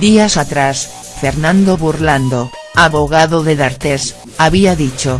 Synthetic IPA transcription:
d̪iasat̪ɾas | feɾnãnd̪oβuɾland̪o | aβoɣaðoðeðaɾt̪es | aβiaðit͡ʃo

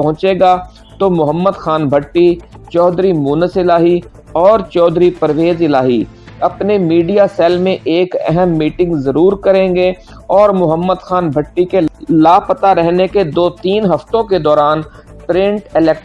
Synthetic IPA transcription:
ɐɦʊ̃t͡ʃeːɡa | t̪omʊɦəmːəd̪xaːnbʱəʈːit͡ʃɔːd̪ɾimuːnəsɪlaːɦi | ɔːɾt͡ʃɔːd̪ɾipɐɾʋeːzɪlaːɦi | ɐpnemiːɖijasɛːlmẽʔeːkɛ̰ɦəmːiːʈɪ̃ŋɡzɐɾuːɾkɐɾẽːŋɡe | ɔːɾmʊɦəmːəd̪xaːnbʱəʈːikelaːpət̪aɾɛɦneked̪oːt̪iːnɦɐft̪õked̪ɔːɾaːnpɾɪ̃ɳʈɪlɛːk

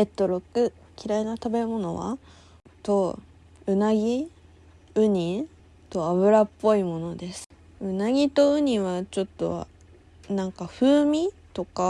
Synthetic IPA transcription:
et̪ːoɾokɯ̟ | kʲiɾainat̪abe̞mo̞no̞βa̰ | t̪o̞ | ɯ̟naɡʲi | ɯ̟ɲ̟i | t̪o̞aβɯ̟ɾapːo̞imo̞no̞d̪e̞sɨ̥ | ɯ̟naɡʲit̪o̞ɯ̟ɲ̟iβat͡ɕo̞t̪ːo̞̰ | nãŋkaɸɯ̟ːmʲi | t̪o̞ka

